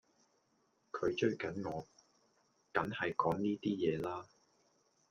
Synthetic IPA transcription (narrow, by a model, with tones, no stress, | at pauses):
kʰɵ˨˧ɥt͡ʃɵ˥ɥkɐ˨˥nŋɔː˨˧ | kɐ˨˥nhɐ˨jkɔː˨˥ŋniː˥t̪iː˥jɛː˨˧laː˥